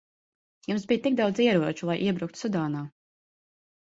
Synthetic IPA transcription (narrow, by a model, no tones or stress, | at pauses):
jumsbijt̪ik̚d̪awd̪ziɛɾuɔt͡ʃulˠajʔiɛbɾukt̪sud̪aːnaː